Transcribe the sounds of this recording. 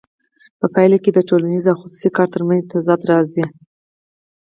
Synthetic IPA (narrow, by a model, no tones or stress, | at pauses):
pəpajlaked̪əʈolanizawxʊsu̥sikɑɾt̪əɾmant̪azɑd̪ɾɑzi